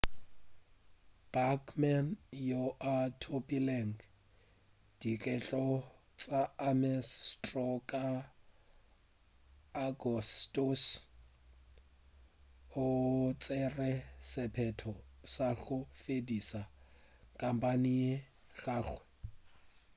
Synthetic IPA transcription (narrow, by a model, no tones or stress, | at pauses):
b̥akʰmanjoʔatʰopʼilɛŋ̩ | d̥ikʼɛt͡ɬʼɔ | t͡sʼaamɛstrɔkʼa | ɡɔstʼos | ʊt͡sʼɛrɛsɪpʰɛtʰɔsaɣʊfedisakʼampʼanɪje | ɣaːɣwɛ